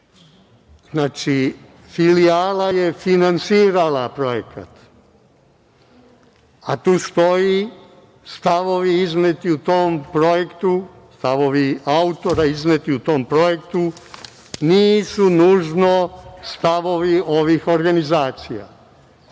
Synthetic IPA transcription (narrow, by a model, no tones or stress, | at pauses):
znaːt͡ʃi | filiaːlaje̞finansiːɾalapɾo̞jeka̰t̪ | at̪uːst̪o̞ji | st̪aʋo̞ʋiiznet̪iut̪o̞ːmpɾo̞je̞kt̪u | st̪aʋo̞ʋiaut̪o̞ɾaiznet̪iut̪o̞ːmpɾo̞je̞kt̪u | niːsunuːʒnost̪aʋo̞ʋio̞ʋixo̞ɾɡanizaːt̪sija̰